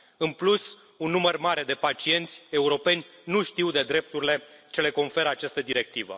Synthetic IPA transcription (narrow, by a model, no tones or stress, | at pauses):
ɨnplus | unːumərmaɾe̞d̪e̞pat͡ʃie̞nt̪sʲe̞uɾo̞pe̞nʲnuʃt̪iwd̪e̞d̪ɾe̞p̚t̪uɾile̞t͡ʃe̞le̞ko̞nfe̞ɾəat͡ʃast̪əd̪iɾe̞k̚t̪ivə̰